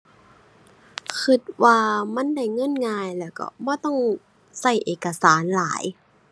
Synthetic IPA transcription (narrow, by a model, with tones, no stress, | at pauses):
kʰɯ˧˩t̪̚waː˧ma˧˥˨nda˧˥˩jŋɤ˧˥˨nŋaː˧jlɛː˧˩wkɔ̰˧˩bɔː˧˥˦t̪ɔ˥˨ŋ | sa˧˩jʔeː˨˩kːa˧saː˨˦nlaː˨˩˦j